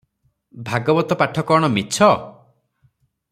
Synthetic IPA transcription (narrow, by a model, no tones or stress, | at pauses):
bʱaɡɔbɔt̪ɔpaʈʰɔkɔɽ̃ɔmit͡ʃʰɔ